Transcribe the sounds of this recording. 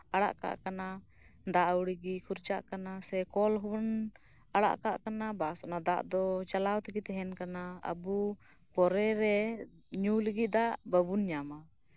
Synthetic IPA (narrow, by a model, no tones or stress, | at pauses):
aɽa̰ʔka̰ʔkana | d̪aʔwuɽiɡikʰuɾt͡ʃaʔkanasɛkɔlɦubən | aɽa̰ʔkaʔkanabasɔnad̪aʔd̪ɔt͡ʃalawt̪iɡit̪ɛɦɛnkanaə̰bu | pɔɾɛɾɛ | ɲuləɡit̪̚d̪aʔbəbunɲama